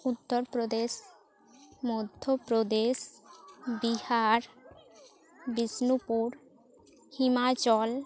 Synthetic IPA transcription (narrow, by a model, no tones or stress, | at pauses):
ut̪ːɔɾpɾod̪eʃ | mod̪ʱopɾod̪eʃ | bihaɾ | bisnupuɾ | himat͡ʃɔl